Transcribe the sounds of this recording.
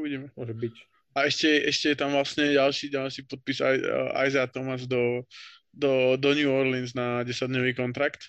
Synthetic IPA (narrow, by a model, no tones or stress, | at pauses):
buɟɛmɛɔʒbi | aɛʃcɛʔɛʃcɛjɛt̪amʋlasɲɛɟalʃiːɟalʃiːpɔt̪̚piza̰ʔa̰jzat̪ɔmazd̪ɔ | d̪ɔd̪ɔɲjuːɔɾlɛnznaɟɛsad̪ɲɔʋiːkɔnt̪ɾakt̪